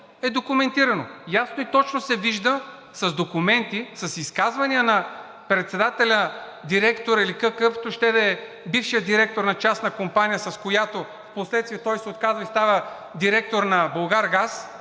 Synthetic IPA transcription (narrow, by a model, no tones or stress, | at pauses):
ɛd̪okumɛnt̪iɾɐnojasnoit̪ɔt͡ʃnosɛviʒd̪ə | sɐzd̪okumɛnt̪isɐsiskazvɐniənɐ | pɾɛt̪sɛd̪at̪ɛlʲə | d̪iɾɛkt̪oɾilikəkəft̪oʃt̪ɛd̪ɐɛ | bifʃijəd̪iɾɛk̚t̪oɾnɐt͡ʃasnɐkompanijəsɐskojat̪o | fposlɛt̪st̪viɛt̪ɔjsɛot̪̚kazvɐist̪avə | d̪iɾɛk̚t̪oɾnɐbolˠɡaɾɡas